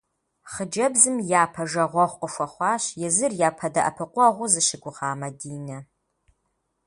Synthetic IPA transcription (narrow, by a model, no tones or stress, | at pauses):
χəd͡ʒɐbzɨmjaːpʰɐʒɐʁʷɔχʷqʷʼʊfʷɐχʷɑːɕjɛzɨrjaːpʰɐdɐʔɐ̰pʰɨqʷɔʁʷʊzɨʃɪɡʷʼʊʁɑːmɐdiːnɐ